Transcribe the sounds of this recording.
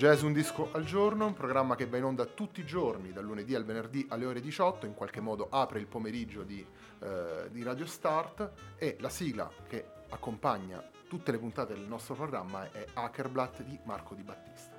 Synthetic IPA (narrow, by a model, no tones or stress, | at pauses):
d͡ʒɛzund̪iskoʔald͡ʒornoumpɾoɡɾamːak̟evːainond̪at̪ut̪ːiːd͡ʒornid̪alːuned̪ialvenerd̪iʔalːeoːɾed̪it͡ʃɔt̪ːoiŋkwalkemːɔːd̪oʔaːpɾeilpomeɾid͡ʒːod̪i | d̪iɾaːd̪jost̪art̪elasiːɡla̰ke | akːompaɲːa̰ | t̪ut̪ːelepunt̪aːt̪ed̪elnɔst̪ɾopɾoɡɾamːaɛakerblat̪ːd̪imarkʰod̪ibat̪ːi̥st̪ḁ